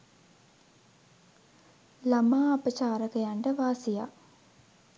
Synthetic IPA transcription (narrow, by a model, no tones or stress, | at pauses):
lamaːapət͡ʃaːɾəkəjaɳʈəʋaːsija̰